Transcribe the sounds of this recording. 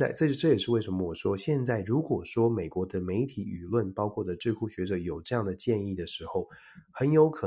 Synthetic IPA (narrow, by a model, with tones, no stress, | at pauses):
a˥˧ɪʈ͡ʂɤ˥˧˥ʈ͡ʂɤ˥˩jɛ˨˩ʂɻ̩˥˧we˥ɪʂə˧˥nmə˧wɔ˨˩ʂwɔ˥ɕjɛ˥˧nt͡sa˥˩ɪɻu˧˥kwɔ˨˩ʂwɔ˥me˨˩ɪkwɔ˧˥d̪ə˧me˧˥ɪt̪ʰi˧˥y˨˩lwə˥˩npɑ˥ʊkʰwɔ˥˩d̪ə˩ʈ͡ʂɻ̩˥˧kʰu˥˩ɕɥɛ˧˥ʈ͡ʂɤ˧˩˦jo˨˩ʊʈ͡ʂɤ˥˧jɑ˥˩ŋd̪ə˩t͡ɕjɛ˥˧ni˥˩d̪ə˩ʂɻ̩˧˥xo˧˩ʊ | xə˧˥njo˧˥ʊkʰɤ˨˩